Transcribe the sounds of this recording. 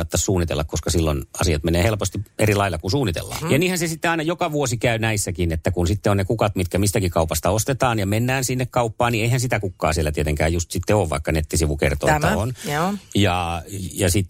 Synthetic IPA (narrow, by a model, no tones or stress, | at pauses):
ɑt̪ːɑssuːnːit̪ḛlːɑkoskɑsilːonɑ̰siɑt̪meneːhelpost̪ierilɑilːɑkunsuːnːit̪ḛlːɑ̰ːnjɑniːhænsesit̪ːeɑinɑjokɑʋuosikæynæisːækinet̪ːækunsit̪ːeonnekukɑt̪mit̪kæmist̪ækikɑupɑst̪ɑost̪et̪ɑːnjɑmenːæːnsinːekkɑupːɑːnnieihænsit̪ækukːɑ̰ːsielːˑæt̪iet̪eŋkæ̰ːjjust̪sit̪ːeoːʋʋɑ̰ikːɑnet̪ːisiʋukḛrt̪o̰et̪ːɑonjɑjɑsit̪ː